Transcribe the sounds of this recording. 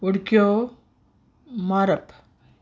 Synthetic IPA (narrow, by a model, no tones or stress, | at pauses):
oɽkjo | maɾɐp